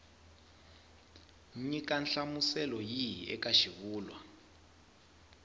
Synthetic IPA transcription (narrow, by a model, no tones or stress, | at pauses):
ɲikanɬamusɛlɔjijɛ̰kaʃiβuːlwa